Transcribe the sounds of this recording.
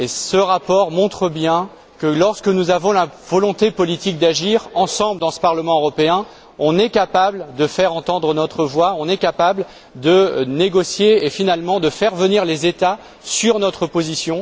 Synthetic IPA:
esəʁapɔʁmɔ̃t̪χəbjɛ̃ | kəlɔʁskənuzavɔ̃lavɔlɔ̃t̪epɔlit̪ik̚d̪aʒiʁɑ̃sɑ̃bld̪ɑ̃sə̥paʁləmɑ̃øʁɔpeɛ̃ | ɔ̃nɛkapabld̪əfɛʁɑ̃t̪ɑ̃d̪ʁənɔt̪χəvwaɔ̃nɛkapabl | d̪əneɡɔsjeːfinalmɑ̃d̪əfɛʁvəniʁlezet̪a | syʁnɔt̪χəpozisjɔ̃

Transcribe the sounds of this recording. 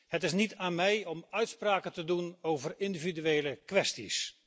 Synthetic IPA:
hətɪs̬nitaːnmɛjɔmœɥtspraːkəntədunowvərɪndividyʋejləkʋɛstis

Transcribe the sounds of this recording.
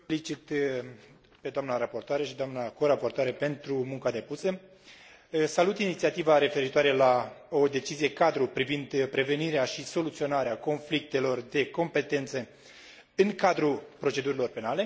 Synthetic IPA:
lit͡ʃit̪ | pe̞d̪oamnaɾapo̞rt̪oaɾeʃid̪oamnako̞ɾapo̞rt̪oaɾepe̞nt̪ɾumuŋkad̪e̞pusə | salut̪init̪siat̪ivaɾe̞fe̞ɾit̪oaɾelao̞d̪e̞t͡ʃizije̞kad̪ɾupɾivind̪pɾe̞ve̞niɾeaʃiso̞lut̪sio̞naɾeako̞nflik̚t̪e̞lo̞rd̪e̞ko̞mpe̞t̪e̞nt̪sə | ɨŋkad̪ɾupɾo̞t͡ʃe̞d̪uɾilo̞rpe̞nale̞

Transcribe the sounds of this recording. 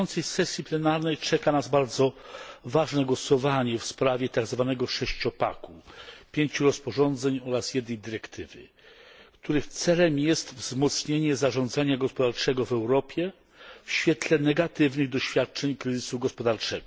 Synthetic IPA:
ɔnt̪sɛjsɛsʲjiplɛnaɾnɛjt͡ʂɛkanazbaɾd̪zɔvaʐnɛɡwɔsɔvaɲɛfspɾavʲjɛt̪aɡzvanɛɡɔʂɛɕt͡ɕɔpa̰kupʲjeɲt͡ɕuɾɔspɔʐɔnd̪zɛɲɔɾasjɛd̪nɛjd̪ɘɾɛkt̪ʰɘvɘ̰ | kt̪uɾɘxt̪sɛlɛmjɛst̪vzmɔt̪sɲeɲɛzaʐɔ̃nd̪zaɲaɡɔspɔd̪aɾt͡ʂɛɡɔvɛwɾɔpʲjɛ | fɕfʲjɛt̪lɛnɛɡat̪ɘvnɘɣd̪ɔɕfʲjat̪̚t͡ʂɛɲkɾɘzɘsuɡɔspɔd̪aɾt͡ʂɛɡɔ

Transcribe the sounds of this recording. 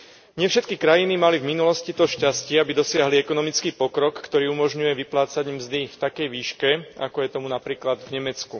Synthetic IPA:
ɲɪɛfʃɛt̪kikɾajinimalivminulɔscit̪ɔʃcascɪɛabid̪ɔsɪaɦliɛkɔnɔmit͡skiːpɔkɾɔkːt̪ɔɾiːumɔʒɲujɛʋiplaːt͡saɟmzd̪ift̪akɛjʋiːʃkɛa̰kɔjɛt̪ɔmunapɾiːklad̪vɲɛmɛt͡sku

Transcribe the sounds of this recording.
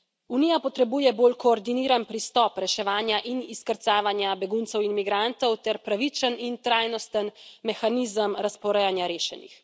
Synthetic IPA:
unijapɔt̪ɾɛbuːjɛboːlkɔːɾd̪iniːɾanpɾist̪ɔːpɾɛʃɛʋaːnjaʔiniskəɾt̪saːʋanjabɛɡunt̪sɛwinmiɡɾant̪ɔwt̪ɛɾpɾaʋit͡ʃənint̪ɾaːjnɔst̪ənmɛxaniːzəmɾaspɔɾɛjanjaɾeːʃɛ̰nḭx

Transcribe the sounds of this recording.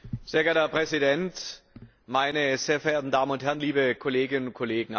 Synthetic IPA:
z̥eːɐɡɛɐtɐpʁ̥ɛzidɛnt | maɪnəz̥eːɐfɛɐʔeːɐtn̩daːmənʊnthɛɐʁnliːbəkʰɔleːɡɪnənʊnt̚kʰɔleːɡŋ̩

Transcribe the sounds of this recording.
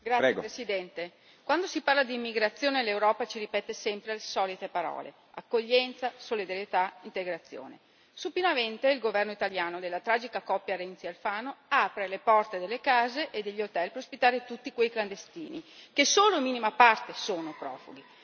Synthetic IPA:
ɡɾaɛepɾesid̪ɛnt̪e | kwand̪osiparlad̪iːmːiɡɾat̪sːjoːnelːewɾɔːpat͡ʃiɾipɛt̪ːesɛmpɾelesɔːlit̪epaɾɔ̰ːlḛ | a̰kːoʎːɛnt̪sasolid̪aɾjet̪aint̪eɡɾat̪sːjo̰ːnḛ | supinament̪eilɡovɛrnoit̪aljaːnod̪elːat̪ɾaːd͡ʒikakɔpːjaɾɛnt̪sialfaːnoaːpɾelepɔrt̪ed̪elːekaːzeʔed̪eʎːot̪ɛlpeɾospit̪ːaːɾet̪ut̪ːikwejkland̪est̪ḭːnḭkesoːlomiːnimapart̪esoːnopɾɔ̰ːfuɡi

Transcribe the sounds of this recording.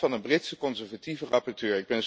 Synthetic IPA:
fɑnənbrɪtsəkɔnzɛɹvativərɑpɔɹtøːɹɪɡ̚bɛnz

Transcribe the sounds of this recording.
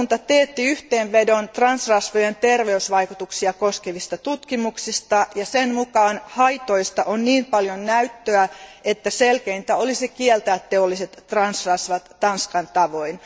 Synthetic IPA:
nt̪ɑt̪eːt̪ːiyht̪eːnʋedont̪rɑnsrɑsʋojent̪erʋeysʋɑikut̪uksiɑkoskeʋist̪ɑt̪ut̪kimuksist̪ɑjɑsenmukɑːnhɑit̪oist̪ɑʔonniːmpɑljonnæyt̪ːøæet̪ːæselkeint̪æolisikielt̪ææt̪teolːiset̪ːrɑnsrɑsʋɑt̪ːɑnskɑnt̪ɑʋoin

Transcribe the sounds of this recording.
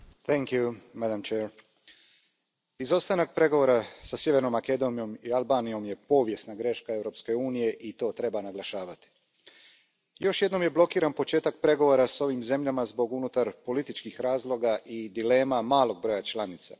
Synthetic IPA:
θɛŋkjumad̪amt͡ʃeːɾ | izo̞st̪anak̚pɾe̞ɡoʋo̞ːɾasasje̞ʋe̞ɾno̞mːake̞d̪o̞nijo̞mialˠbaːnijo̞mje̞po̞ːʋje̞snaɡɾe̞ʃkae̞ʋɾo̞pske̞uːnije̞ʔit̪o̞ːt̪ɾe̞banaɡlˠaʃaːʋat̪i̥ | jo̞ʃjed̪no̞mje̞blo̞kiːɾanpo̞t͡ʃe̞ːt̪ak̚pɾe̞ɡo̞ʋo̞ɾaso̞ʋimze̞mʎamazbo̞ɡunut̪aɾpo̞lit̪it͡ʃkixɾaːzlˠo̞ɡaʔid̪ile̞ːmamaːlo̞ɡ̚bɾo̞jat͡ʃlˠanit̪sa

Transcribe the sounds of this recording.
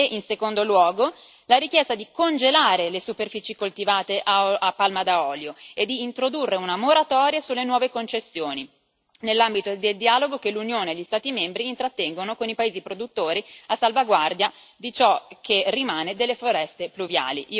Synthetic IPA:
eʔinsekond̪olwɔːɡo | laɾikjɛst̪ad̪ikond͡ʒelaːɾelesuperfiːt͡ʃikolt̪ivaːt̪eʔaapːalmad̪aɔːljoed̪ːiːnt̪ɾod̪urːeunamoɾat̪ɔːɾjasulːenwɔːvekont͡ʃesːjoːni | nelːambit̪od̪eld̪ialoɡok̟elːunjoːneːʎːist̪aːt̪imembɾiːnt̪ɾat̪ːɛŋɡonokonipaeːzipɾod̪ut̪ːoːɾiasːalvaɡward̪jad̪it͡ʃɔkʰːerːimaːned̪elːefoɾɛst̪epluvja̰ːliʔi

